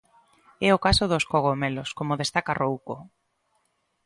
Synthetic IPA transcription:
ɛokasoðoskoɣomeloskomoðest̪akarʔowko

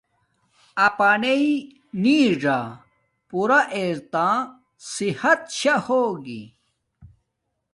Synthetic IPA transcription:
ɐpanei | niːʐa | puɾaʔeːɾt̪ãː | sihɐt̪ɕahoːɡḭ

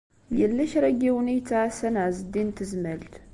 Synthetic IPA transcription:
jɛlːəʃɾəɡewunejt̪ʰːasənazd̪int̪ʰɨzməlt̪ʰ

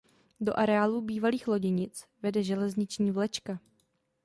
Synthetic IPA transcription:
do̞̰ʔaɾɛaːluːbiːvaliːxlo̞ɟɪɲɪt͡svɛdɛʒɛlɛzɲɪt͡ʃɲiːvlɛt͡ʃka

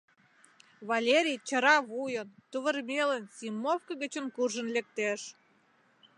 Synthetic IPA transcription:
βɑlʲeɾʲijt͡ɕə̆ɾɑβujənt̪uβə̆rmʲelənsʲimːofkə̆ɣə̆t͡ɕə̆nkurʒə̆nlek̚t̪eʃ

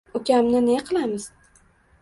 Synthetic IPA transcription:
ʊkʲamnɪneqʰɨlˠamɪz̥

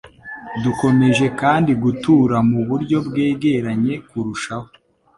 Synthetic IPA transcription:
duko̞me̞ʒe̞kaːndiɡutuːɾamuβuɾɟo̞bɡe̞ːɡe̞ɾaɲe̞kuɾuʃaho

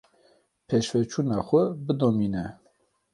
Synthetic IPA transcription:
pʰeʃfɛt͡ʃʰuːnɑːxʷɛbɨd̪oːmiːnɛ

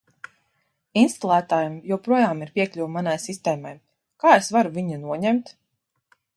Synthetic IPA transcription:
inst̪ɔlˠæːt̪aːjumjuɔpɾuɔjaːmiɾpʲiɛklʲuwmanajsist̪ɛːmaj | kaːesvaɾuvʲiɲinuɔɲɛmt̪

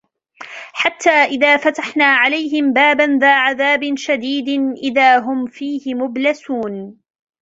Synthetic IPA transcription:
ħat̪ːaːʔɪðaːfat̪aħnaːʕalajɦɪmbaːbanðaːʕaðaːbɪnʃad̪iːd̪ɪnʔɪðaːɦʊmfiːhɪmʊblasuːn

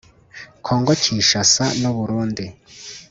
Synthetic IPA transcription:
kʰoːŋɡociːʃasanuβuɾuːndi

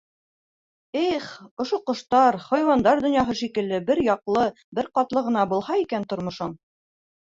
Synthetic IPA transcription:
iχŏʃoqŏʃt̪ɑɾχɒjwɑnd̪ɑɾd̪ŏnjɑɦɤʃikɘ̆lːɘbɘɾjɒqlˠɤ | bɘɾqɑt̪lˠɤʁɤ̆nɑbulˠhɑikænt̪ŏɾmŏʃɤɴ

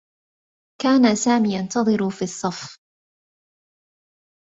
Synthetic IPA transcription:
kaːnasaːmiːjant̪ɑðˤɨɾufiːsˤːɑf

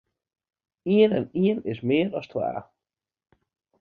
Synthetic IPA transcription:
iənɛ̰niənɪsmɪːɾɔst̪ʰwa̰ː

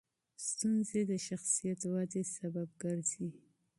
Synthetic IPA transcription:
st̪unzed̪əʃaxsijat̪wɑzesabab̚ɡəɾzi

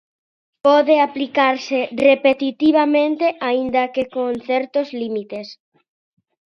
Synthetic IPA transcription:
pɔðeaplikaɾserepet̪it̪iβ̞amẽnt̪eʔaind̪akekoŋθɛɾt̪ozlimit̪es

